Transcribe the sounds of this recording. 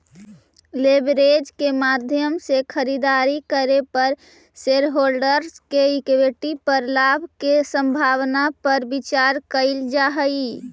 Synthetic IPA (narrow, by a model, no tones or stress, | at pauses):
lebɾed͡ʒkemad̪ʱjəmsekʰəɾid̪aɾikəɾepəɾ | seɾɦolɖəɾskeɪkbeʈipəɾlaːbʱkesə̃mbʱaːwnapəɾbɪt͡ʃaɾkəɪld͡ʒaɦəi